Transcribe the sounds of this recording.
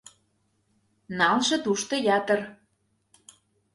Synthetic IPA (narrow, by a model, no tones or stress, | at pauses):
nɑlʒɤ̆t̪uʃt̪ɤ̆jɑt̪ə̆r